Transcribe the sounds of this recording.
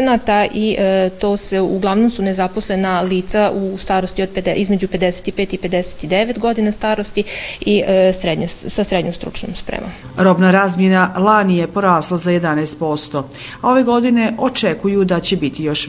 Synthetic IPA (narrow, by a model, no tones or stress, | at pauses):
nat̪aʔit̪o̞ːseuɡlˠaʋno̞msune̞zapo̞sle̞naliːt̪saust̪aːɾo̞st̪io̞d̪̚ped̪ʔizme̞d͡ʑupe̞d̪e̞se̥t̪ipeːt̪ipe̞d̪e̞se̥t̪id̪e̞ʋe̞t̪ɡo̞d̪inast̪aːɾo̞st̪iisɾed̪ɲesasɾe̞d̪ɲomst̪ɾṵt͡ʃno̰mspɾḛmom | ɾo̞bnaɾaːzmjenalˠanijepo̞ɾaːslˠazaje̞d̪anɛjst̪̚po̞st̪o̞ | ao̞ʋe̞ɡo̞d̪ine̞ʔo̞t͡ʃekujud̪at͡ɕebit̪ijo̞ʃ